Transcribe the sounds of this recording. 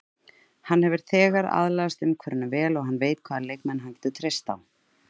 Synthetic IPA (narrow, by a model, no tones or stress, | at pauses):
hanhɛvɪɾ̥θɛːɣaɾa̰ðlaast̪ʏmkʰvɛɾɪnːʏvɛːlɔɣɦanːveːjt̪kʰv̥aːðalejkmɛnɦancɛːt̪ʏ̥t̪ʰɾejst̪aw